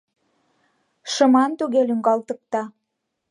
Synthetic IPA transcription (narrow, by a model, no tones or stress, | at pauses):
ʃə̆mɑnt̪uɣelyŋɡɑlt̪ə̆k̚t̪ɑ